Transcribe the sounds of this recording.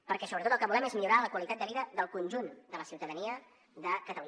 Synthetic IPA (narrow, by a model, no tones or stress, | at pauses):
pəɾkɛsoβət̪ot̪əlˠkəβulɛmezmiʎuɾaləkwəlit̪at̪d̪əβiðəðəlˠkunʲʒund̪ələsiwt̪əðəniə | ðəkət̪əlu